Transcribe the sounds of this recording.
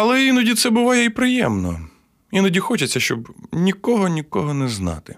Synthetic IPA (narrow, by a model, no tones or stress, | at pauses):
ɐlˠɛinɔdʲit̪sɛbʊʋɑjɛipɾɪjɛmnɔ̰ | inɔdʲixɔt͡ʃɐt͡sʲːɐʃt͡ʃɔbnʲikɔɦɔnʲikɔɦɔnɛznɑ̰t̪ɪ